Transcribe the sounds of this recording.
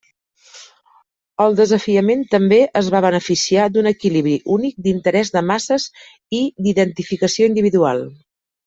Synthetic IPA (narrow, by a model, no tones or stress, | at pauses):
əlˠd̪əzəfiəment̪əmbeʔəzβaβ̞ənəfisiad̪unəkiliβ̞ɾiʔunik̚d̪int̪əɾɛzðəmasəz | id̪iðənt̪ifikəsioind̪iβiðualˠ